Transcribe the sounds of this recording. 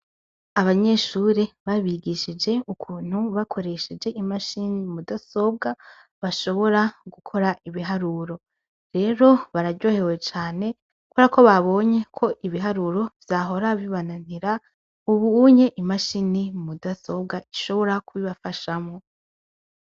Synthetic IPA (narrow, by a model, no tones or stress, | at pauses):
aβaɲe̞ʃuɾeβaβiɡiʃid͡ʒe̞ukʰuːn̥huβakʰo̞ɾe̞ʃed͡ʒe̞ʔimaʃinimudaso̞b̚ɡa | βaʃo̞βo̞ɾaɡukʰo̞ɾaʔiβiɦaɾuɾo̞ | ɾe̞ɾo̞βaɾaɟo̞ːhe̞we̞t͡ʃaːne̞ | kuɾakʰo̞βaβo̞ɲe̞kʰo̞ʔiβiɦaɾuɾo̞vjaɦo̞ɾaβiβananiɾa | uβuuɲe̞ʔimaʃinimudaso̞b̚ɡaiʃo̞βo̞ɾakuβiβafaʃamŋo̞